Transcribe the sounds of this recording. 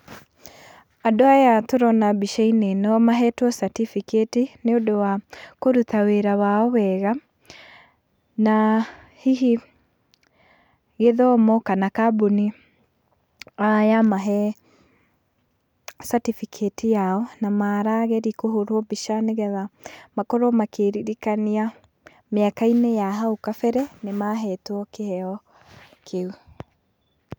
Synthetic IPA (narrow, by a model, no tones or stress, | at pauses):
adoajatoɾɔnabiʃainenɔmaɦɛtwɔsatifiketineodowakoɾutaweɾawaɔwɛɣa | na | hiɦi | ɣeðɔmɔkanakabuni | ajamaɦɛ | satifikʰetijaɔnamaːɾaɣɛɾikoɦoɾwɔbiʃaneɣɛðamakɔɾɔmakeɾiɾikania | meakainɛjaɦaokafɛɾɛnemaɦɛtwɔkehɛɔ | kʰeu